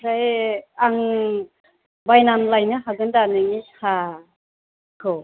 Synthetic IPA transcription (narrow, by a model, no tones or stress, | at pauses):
ɾajaŋ | bajnanlajnɯɦaɡɯndanɯŋiha | kʰo